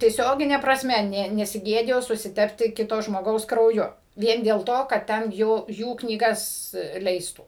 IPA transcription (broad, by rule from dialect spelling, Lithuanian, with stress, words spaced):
tʲiɛˈsʲoːɡʲɪnʲɛ prɐsʲˈmʲɛ ˈnʲɛ nʲɛsʲɪˈɡʲeːdʲɪjoː sʊsʲɪˈtʲæːpʲtʲɪ ˈkʲɪtoː ʒmoːˈɡɐʊs krɐʊˈjʊ ˈʋʲiɛn dʲeːlˠ ˈtoː kɐt ˈtʲɛn ˈjuː ˈjuː knʲiːˈɡɐs ˈlʲɛɪstuː